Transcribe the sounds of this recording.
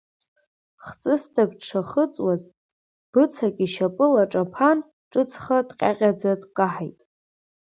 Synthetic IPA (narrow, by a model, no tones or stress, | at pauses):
χt͡sʼɨstʰʼaɡʈ͡ʂʰaχət͡sʼwaz | b̥ɨt͡sʰakʼiʃapʼɨlaʈ͡ʂʼapʰan | ʈ͡ʂʼɨt͡sʰχadqʲʼa̰qʲʼad͡zadkʼaħajtʼ